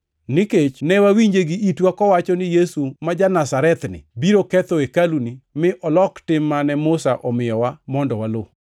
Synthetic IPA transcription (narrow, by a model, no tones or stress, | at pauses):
nɪket͡ʃnɛwawiɲd͡ʒeɡiʔitwakɔwat͡ʃɔnɪjesumad͡ʒanasaɾɛt̪nɪ̰biɾokɛt̪oekalunimɪʔɔlɔktɪmːanɛmʊsaʔɔmɪjɔwamɔndɔwalo